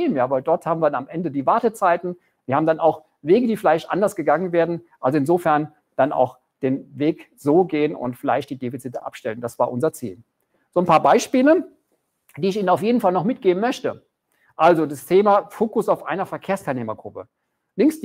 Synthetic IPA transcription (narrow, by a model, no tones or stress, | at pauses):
iːmjaːvaɪldɔɐthaːbmviːɐdanamʔɛndədiːvaɐtət͡saɪtn̩ | viːɐhaːbm̩danaʊx | veːɡədiːfɪlaɪçtʔa̰ndɐsɡ̥əɡaŋənveːɐdn̩ʔalzoɪnzoːfɛɐn | d̥ana̰ʊx | d̥eːnveːk | z̥oːɡeːənʊ̰ntfɪla̰ɪçt̚d̥iːdefit͡sɪtəʔa̰pʃtɛlənd̥asv̥aːɐʔʊnzɐt͡sḭːl | z̥oːnpʰaːɐbaɪʃpiːlə | d̥iːɪçiːnənaʊfjeːdn̩falnɔχmɪtɡ̥eːbn̩mœçtə | ʔalzodastʰeːmafoːkʊsaʊfʔa̰ɪnɐfɛɐkʰeːɐstʰaɪlneːmɐɡʁʊpə | lɪŋks